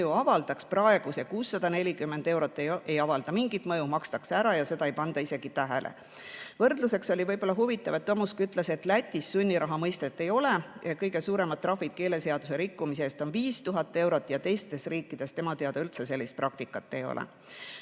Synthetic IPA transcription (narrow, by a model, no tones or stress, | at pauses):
juɑvɑld̪̥ɑksprɑe̞ɡ̥usekuːsːɑd̪ɑne̞lʲikymːend̪e̞wɾo̞t̪ːˑeje̞jɑvɑld̪̥ɑmiŋɡ̥it̪ˑmɤjumɑkst̪ɑksæɾɑjɑse̞d̪ɑejpɑnd̪ɑise̞ɡ̥it̪æɦḛlḛ | vɤ̞rd̪̥luse̞kso̞lʲivɤjbo̞lːɑɦuvit̪ːˑɑvet̪ːomuskyt̪ːˑle̞se̞t̪læt̪ʲːˑisːunʲːiɾʔɑɦɑmɤjst̪e̞t̪ːe̞jo̞le̞jɑkɤjɡe̞suːɾemɑd̪t̪ːrɑfːid̪̥̚ke̞ːle̞se̞ɑd̪̥use̞ɾikːumiseːst̪o̞nviːst̪uɦɑt̪ːe̞wɾo̞t̪ːˑjɑt̪e̞jst̪e̞sriːkːid̪̥e̞st̪e̞mɑt̪eɑd̪ɑylt̪se̞se̞lːist̪̚pɾɑk̚t̪ikːˑɑt̪ːe̞jo̰lʔḛ